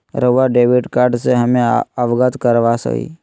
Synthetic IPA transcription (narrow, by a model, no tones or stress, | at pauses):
ɾəʋaɖeːʋɪɖkaːɾɖseɦəmẽəʋɡət̪kəɾʋasə̰kḭː